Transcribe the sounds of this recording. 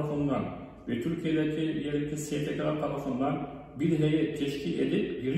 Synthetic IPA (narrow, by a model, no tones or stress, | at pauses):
fɯnnd̪an | vɛt̪ʰyɾcʰijed̪ɛcʰijeɾʲict̪ʲɛsefecʰɾaɾt̪ʰaɾafɯnd̪an | biɾɦejɛt̪ʰɛʃcʰilḛd̪ipjiɾ